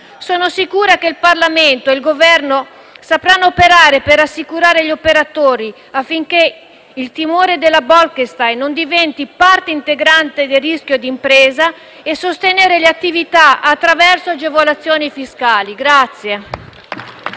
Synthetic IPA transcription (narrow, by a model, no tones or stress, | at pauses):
soːnosikuːɾakeilparlament̪oeilɡovɛrno | sapɾanːoopeɾaːɾepeɾasːikuɾaːɾeʎiopeɾat̪oːɾi | afːiŋk̟e | ilt̪imoːɾed̪elːabɔlkest̪ajnːond̪ivɛnt̪ipart̪eint̪eɡɾant̪ed̪erːisk̟jod̪impɾeːza | esːost̪eneːɾeleat̪ːivit̪aat̪ːɾavɛrsoad͡ʒevolat̪sːjoːnifiskaːliɡɾat̪sːje